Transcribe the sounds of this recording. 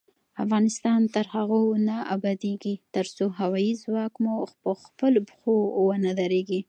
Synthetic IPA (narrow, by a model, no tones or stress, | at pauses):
afɣɑnɪst̪ɑnt̪əɾhaɣonaabɑd̪eɡit̪əɾsoɦawɑjizwɑkmupəxpəlbxowənad̪aɾeɡi